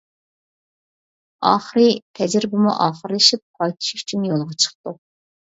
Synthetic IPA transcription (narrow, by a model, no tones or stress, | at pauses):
ɑ̰ːχəɾɨpʰɛd͡ʒɪɾbɪmṵʔɑːχəɾlɨʃip̚qʰɑjt̪ʰu̥ʃy̥t͡ʃʰynjolˠʁɑt͡ʃʰə̥χt̪u